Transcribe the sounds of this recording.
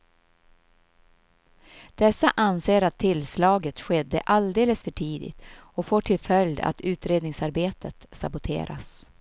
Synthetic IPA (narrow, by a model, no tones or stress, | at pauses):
d̪̥ɛsːaʔanseːɾat̪ʰːɪlslɑːɡət̪ɧɛd̪ːə̰ʔald̪eːləsfœʈʰiːd̪ɪ̰t̪ɔfoːʈʰɪlfœljd̪a̰t̪ʉ̟ːt̪ɾeːd̪nɪŋsaɾbeːt̪ʰət̪sa̰bʊt̪ʰḛːɾʔa̰s